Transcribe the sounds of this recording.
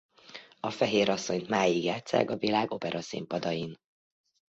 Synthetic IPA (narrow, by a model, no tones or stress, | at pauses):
ɒfɛɦeːɾɒsːo̞ɲt̪maːjiɡjaːt̪sa̰ːkɒvilaːɡo̞pɛɾɒsḭmpɒd̪ɒjin